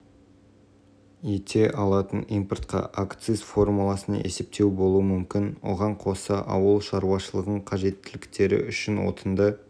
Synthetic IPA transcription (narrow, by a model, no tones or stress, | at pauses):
et̪ʰe̞ʔɑlˠɑt̪ənijmpərt̪qɑ̰ʔakt̪sɨzfo̞rmulˠɑsənɑ̰ʔe̞se̞p̚t̪e̞wbo̞lˠuəmʏmkʲɪnwo̞̰ʁɑɴqʰo̞sɑʔɑ̰wəlˠʃɑɾuwɑʃəlˠəʁəɴqʰɑʒe̞t̪ːɪlɪkt̪e̞ɾɪ̰ʔʏʃɪnwo̞̰t̪ʰənd̪ə